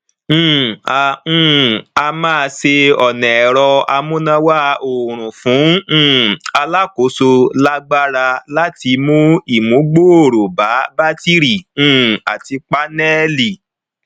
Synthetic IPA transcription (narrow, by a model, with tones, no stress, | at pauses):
ã˨˦˨a˧mãː˦˧se˧ɔ˨nɛ̃˨ɛ˨ɾɔ˧a˧mũ˦nã˧wa˦o˨ɾ̃ũ˨fũ˨˦˨ | a˧la˦ko˨˦so˧la˦ɡ͡ba˦ɾa˧la˦ti˧mũ˦i˦˨mũ˨˦ɡ͡bo˦o˦˨ɾo˨ba˨˦ba˦ti˦ɾĩ˦˨˦a̰˨ti˧k͡pa˦nɛ˦li˨